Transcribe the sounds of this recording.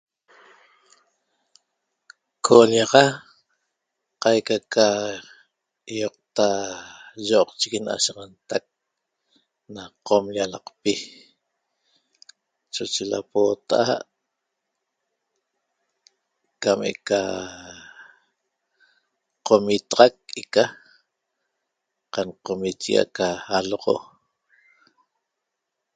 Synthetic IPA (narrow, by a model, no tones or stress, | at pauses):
kʰolɑʁɑ | qɑjkaka | joq̚t̪a | ʒoqt͡ʃikina̰ʃɑʁɑnt̪ak̚ | naqomʎalɑqpi | t͡ʃot͡ʃela̰poːt̪a̰ʔaʔ | kamḛka | qomit̪ɑʁɑk̚eka | qanqomit͡ʃiɣa̰kaːloʁo̰